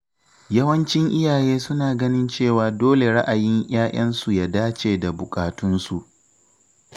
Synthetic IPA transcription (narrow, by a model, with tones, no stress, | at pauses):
jɐ˦wɐ˦nt͡ʃɪ˦ŋʔɪ˦jaː˨jeː˦sʊ˦naː˨ɡɐ˦nɪ˦nt͡ʃeː˦˨waː˨doː˦le˨ɽa˦ʔa˨jɪ˦ŋʔj̰aː˦ʔɐ˦nsu˨ja˦daː˦t͡ʃeː˨da˨bʊ˨kʼaː˨tʊ˦nsu˨ʔ